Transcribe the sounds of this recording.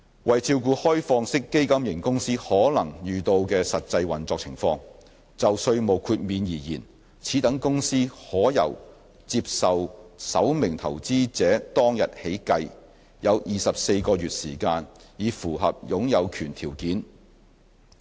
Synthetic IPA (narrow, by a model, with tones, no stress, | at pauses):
wɐ˨jt͡sʰiː˧wkuː˧hɔː˥jfɔː˧ŋsɪ˥kːe˥jkɐ˥mjɪ˨˩ŋkʊ˥ŋsiː˥hɔː˨˥lɐ˨˩ŋjyː˨˩t̪o˧wkɛː˧sɐ˨t̚t͡sɐ˧jwɐ˨˩nt͡sɔː˧k̚t͡sʰɪ̰˨˩ŋfɔ̰ː˧ŋ | t͡sɐ˨wsɵ˧ɥmo˨˩wkʰuː˧t̚miː˨njiː˨˩jiː˨˩n | t͡sʰiː˨˥t̪ɐ˨˥ŋkʊ˥ŋsiː˥hɔː˨˥jɐ̰˨˩w | t͡siː˧p̚sɐ˨wsɐ̰˨˥wmɪ˨˩ŋt̪ʰɐ˨˩wt͡siː˥t͡sɛː˨˥t̪ɔː˥ŋjɐ˨t̚he˨˥jkɐ˧j | jɐ˨˧wjʔiː˨sɐ˨p̚se˧jkɔː˧jyː˨t̚siː˨˩kaː˧njiː˨˧fuː˨˩ɦɐ̰˨p̚jʊ˨˥ŋjɐ˨˧wkʰyː˨˩nt̪ʰiː˨˩wkiː˨˥n